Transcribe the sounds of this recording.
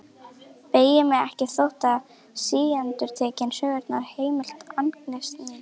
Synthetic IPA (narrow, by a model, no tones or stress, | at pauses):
peːjɪmɛɣɛhcɪθowht̪a | siːjant̪ʏɾ̥t̪ʰɛːcɪnsœːɣɛɾt̪naɾ̥heːjmɪl̥t̪anklɛst̪nɪ